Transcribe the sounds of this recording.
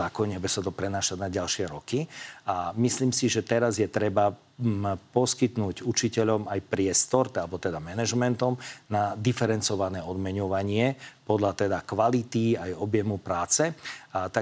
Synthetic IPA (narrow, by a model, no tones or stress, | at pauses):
aːkɔɲɛbɛsat̪ɔpɾɛnaːʃaɟnaɟalʃɪɛɾɔkiamisliːmsiʒɛt̪ɛɾazjɛt̪ɾɛba | pɔskit̪nuːɟut͡ʃicɛʎɔmajpɾɪɛst̪ɔɾalbɔt̪ɛd̪amɛnɛʒmɛnt̪ɔmnad̪ifɛɾɛnt͡sɔʋanɛːɔd̪mɛɲɔʋaɲɪɛpɔd̪ʎat̪ɛd̪akʋalit̪iajɔbjɛmupɾaːt͡sɛt̪a